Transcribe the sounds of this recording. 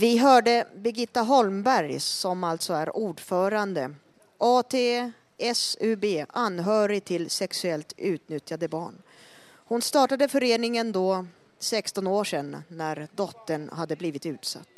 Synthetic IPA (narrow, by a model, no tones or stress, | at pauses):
vɪɦœːɖəbɪɡɪt̪ːaɦɔlmbæɾjsɔmalt̪sɔæɾuːɖfœːɾand̪ə | ʔɑːt̪ʰeː | ɛsʉbeːanːɦœːɾɪt̪ʰɪlsɛksɵɛlt̪ʉ̟ːt̪nʏt̪jad̪əbɑ̰ːɳ | hʊnst̪ɑːʈad̪əfœɾeːnɪŋənd̪ɔ | sɛkst̪ɔnoːʂɛnːæɾd̪ɔt̪ːəɳɦad̪ːəbliːvɪt̪ʉ̟ːt̪sa̰t̪ː